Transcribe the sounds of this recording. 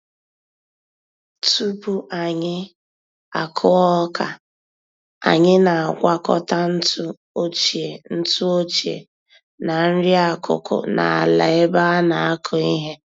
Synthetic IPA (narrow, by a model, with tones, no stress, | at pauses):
tu˦bu˦ʔa˨ɲɪ˦ | a˨kʰʊ˦ɔ˦kʰa˨ | a̰˨ɲɪ˦na˨a˨ɡʷa˦kɔ˦ta˦n̩˦tu˦ | o˦t͡ʃe˨n̩˦tʊ˦o˦t͡ʃḛ˨ | na˨n̩˦ɾi˦a˦kʊ̰˨kʊ̰˨na̰˨a˨la˨ɪ˦ba˦a˦na˨a˦kʰʊ˨i˦ɦe˦